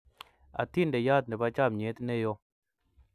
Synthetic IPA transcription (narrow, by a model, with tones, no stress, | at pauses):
a̰˨t̪i˦˨ndɛ˨ja˦t̪̚nɛ˨ba˦t͡ʃa˦˨mɲe˨˦t̪nɛ˦˨jo˦